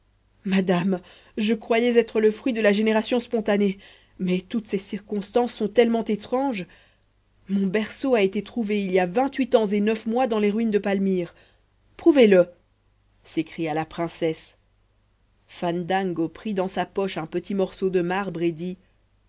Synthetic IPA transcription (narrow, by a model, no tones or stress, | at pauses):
mad̪am | ʒəkχwajɛzɛt̪χələfχɥid̪əlaʒeneʁasjɔ̃spɔ̃t̪ane | mɛt̪ut̪sesiʁkɔ̃st̪ɑ̃sːɔ̃t̪ɛlmɑ̃t̪et̪χɑ̃ʒ | mɔ̃bɛʁsoaet̪et̪χuveiljavɛ̃t̪ɥit̪ɑ̃zenœfmwad̪ɑ̃leʁɥind̪əpalmiʁ | pχuvelə | sekχijalapχɛ̃sɛs | fand̪ãŋɡopχid̪ɑ̃sapɔʃɛ̃pət̪ʰimɔʁsod̪əmaʁbʁed̪i